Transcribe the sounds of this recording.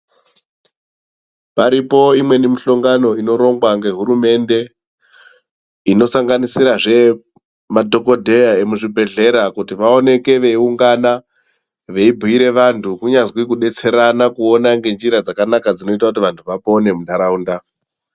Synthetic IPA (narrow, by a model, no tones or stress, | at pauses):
paɾipo̞imwe̞nimiɬo̞ŋɡano̞ino̞ɾo̞ŋɡwaŋɡe̞ɦuɾume̞nde̞ | ino̞saŋɡanisiɾaʐe̞ | madʱo̞ko̞dʱe̞jae̞muʐibʱe̞ɮe̞ɾakutiʋao̞ne̞ke̞ʋe̞iuŋɡana | ʋe̞ibʱuiɾe̞ʋantʰukuɲazwikuɗe̞t͡se̞ɾanakuonaŋɡe̞nd͡ʒiɾad͡zakanakad͡zino̞itaut̬iʋantʰuʋapo̞ne̞muɗaɾauːnda